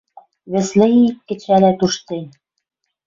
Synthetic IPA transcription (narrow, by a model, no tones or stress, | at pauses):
βɘ̆slɘ̆ikːɘ̆t͡ɕælæt̪uʃt̪en